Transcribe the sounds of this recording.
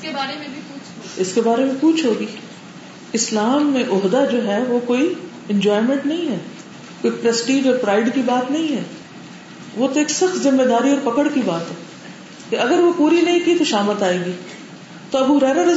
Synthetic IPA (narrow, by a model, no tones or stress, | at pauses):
ɾ | ɪskebaːɾemẽkuːt͡ʃʰɦoːɡiː | ɪslaːmːẽʔʊɦd̪ad͡ʒoːɦɛʋokoːi | ɛ̃ɲd͡ʒɔːɪmẽɳʈnɐɦĩɦɛː | koːipɾɐsʈiːd͡ʒɔːɾpɾaːɪɖkibaːt̪nɐɦĩɦɛː | ʋot̪oeːksɐxt̪zɪmːed̪aːɾiɔːɾpɐkəɽkibaːt̪ɦɛː | kiɐɡəɾʋopuːɾinɐɦĩkit̪oʃaːmət̪aːeːɡiː | t̪oɐbuɾɛːnaɾɐ